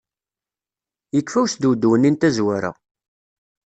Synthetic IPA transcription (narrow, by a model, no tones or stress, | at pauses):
jəkːfæwsd̪ud̪wənːint̪æzwæɾa̰